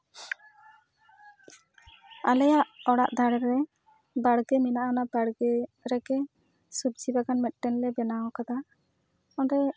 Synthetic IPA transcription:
alɛjaʔɔɽaʔd̪aɽɾɛ | baɽɡɛminaʔanabaɽɡɛɾɛkɛ | subd͡ʒibakanmɛt̪̚ˀʈɛnlɛbɛnawɔkad̪a | ɔnɾɛ

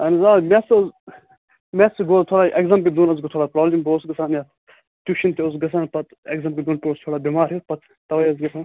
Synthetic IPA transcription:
ɐnizaːmʲesz | mesiɡoːt̪ʰoɽaːʔeɡzɐmkid̪uːnɐzɡit̪ʰoːɽaːpɾoːblʲimboːsɡɐsaːnja | t̪ʲuʃint̪ʰiosɡɐs̬aːnpɐt̪eɡzɐmkid̪uːnpʲost̪ʰoːɽaːbimaːɾipɐt̪ | t̪ɐʋɐjɐzɡʲit̪ʰɐ

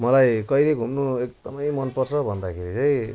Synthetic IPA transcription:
mʌlajkʌjleɡʱumnuekd̪ʌmʌjmʌnpʌrt͡sʰʌbʱʌnd̪akʰeɾit͡sʌĩ

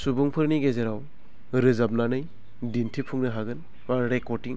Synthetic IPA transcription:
subuŋpʰɯɾniɡezeɾaw | ɾɯzap̚nanɯj | dintʰipʰuŋnɯɦaɡɯn | maɾekɔɾtiŋ

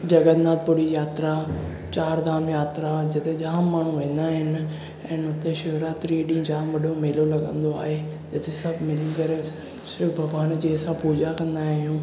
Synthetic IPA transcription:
d͡ʑɐɡəd̪naːt̪̚pʊɽijaːt̪ɾa | t͡ɕaːɾd̪aːmjaːt̪ɾad͡ʑɪt̪ʰeʄaːmːaːɳ̤uʋẽːn̆d̪aːɦɪnɪ | ɛ̃ːnʊt̪eʃʊɦɾaːt̪ɾiɗĩd͡ʑaːmʋɐɗʱomeːlolɐɠə̃nd̪oa̰ːɦed͡ʑɪt̪ʰesɐbʱmɪlinkɐɾe | sʊbʱɐɡʋaːnd͡ʑiːsãpuːd͡ʑakɐ̃nd̪aːɦijũː

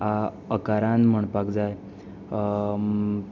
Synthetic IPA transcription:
a | əkaɾanm̤əɳpakd͡zaj

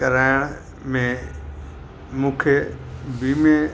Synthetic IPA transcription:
kɐɾaːɪɽ̃ | mẽ | mũːkʰebiːmẽ

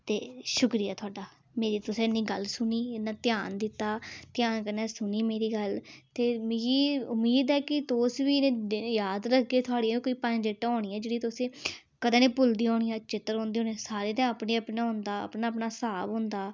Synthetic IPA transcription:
t̪eːʃʊkɾiːaːt̪ʰʊaːɖaː | meːɾiːt̪ʊsẽːɪnːiːɡəlsʊniːɪnãːt̪ɪjaːnd̪ɪt̪ːaːt̪ɪjaːnkəɾnɛːsʊniːmeːɾiːɡəlt̪eːmɪɡiːʊmːiːd̪ɛːkɪt̪oːsʋiːnẽːd̪jaːd̪ɾəkʰɡeːt̪ʰʊaːɽĩːkoːiːpə̃nd͡ʒɪʈoːɽ̃iːɛːd͡ʒeːɽiːt̪ʊsẽː | kəd̪ãːnẽːpʊld̪iːɦoːɳiːaːt͡ʃɪt̪ːəɾɦõːnd̪iːoːnisaːɾeːt̪ãːəpniːəpnaːɦʊ̃nd̪aːə̰pnaːəpnaːsaːbɦʊ̃ːnd̪aː

